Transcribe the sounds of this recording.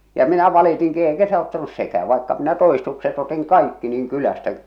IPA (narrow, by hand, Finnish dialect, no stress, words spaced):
jɑ minæ ʋɑlitiŋki eikæ se ɑutːɑnus sekæː ʋɑikːɑ minæ toistukset otiŋ kɑikːi niːŋ kylæstæ